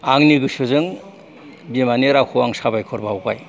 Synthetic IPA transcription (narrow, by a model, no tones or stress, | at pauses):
aŋniɡɯsɯzɯŋ | bimaneɾakʰɔwaŋsabajkʰɔɾbawkaj